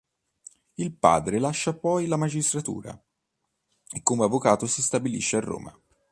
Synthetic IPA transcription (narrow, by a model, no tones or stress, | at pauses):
ilpa̰ːd̪ɾelaʃːapɔjlamad͡ʒist̪ɾat̪ṵːɾa̰ | ekːomeavːokaːt̪osist̪abilḭʃːearːo̰ːma̰